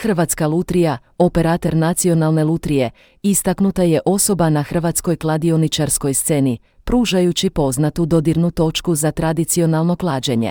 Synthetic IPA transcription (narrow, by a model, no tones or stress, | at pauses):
xr̩ʋat̪skalˠut̪ɾija | ope̞ɾat̪e̞ɾnat̪sio̞nalˠne̞lˠut̪ɾije̞ | ist̪aknut̪aje̞ʔo̞so̞banaxr̩ʋat̪sko̞jklˠad̪io̞nit͡ʃaɾsko̞jst̪se̞ni | pɾuːʒajut͡ɕipo̞znat̪ud̪o̞d̪iɾnut̪o̞t͡ʃkuzat̪ɾad̪it̪sio̞nalˠno̞klˠaːd͡ʑe̞ɲḛ